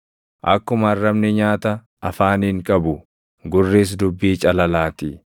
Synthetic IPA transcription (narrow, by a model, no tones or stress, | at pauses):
ʔɐkːʊmɐɐrːɐmnɛɲaːt̪ɐ | ɐfaːniːŋkʼɐbʊ | ɡʊrːeːs̬d̪ʊbːiːt͡ʃʼɐlɐlaːt̪ɪ